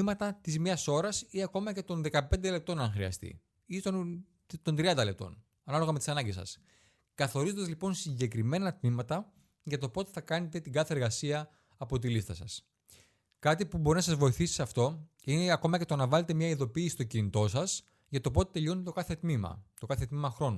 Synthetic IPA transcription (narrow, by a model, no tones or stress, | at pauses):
imɐt̪ɐt̪izmɲɐso̞ɾɐsiɐko̞mɐce̞t̪o̞nðe̞kɐpe̞nd̪e̞le̞p̚t̪o̞nɐŋxɾiɐ̰st̪ḭ | io | t̪o̞nd̪ɾiɐnd̪ɐle̞p̚t̪o̞̰n | ɐnɐlo̞ɣɐmet̪isɐnɐɲɟesɐ̰s | kɐθo̞ɾizond̪ɐzlipo̞nsiɲɟe̞kɾime̞nɐt̪mimɐt̪ɐ | ʝɐt̪o̞po̞t̪e̞θɐkɐne̞t̪e̞t̪iɡɐθe̞ːɾɣɐsiɐː | po̞t̪̬ilist̪ɐsɐs | kɐt̪ipubo̞ɾinɐs̬ɐzvo̞iθisi̥sɐft̪o̞ | ineɐko̞mɐce̞t̪o̞nɐvɐle̞t̪e̞mɲɐiðopiːsist̪ocinit̪o̞sɐs | ʝɐt̪o̞p̬o̞t̪et̪e̞ʎo̞nt̪et̪okɐθe̞t̪mimɐ̰t̪o̞kɐθet̪mimɐxɾo̞nu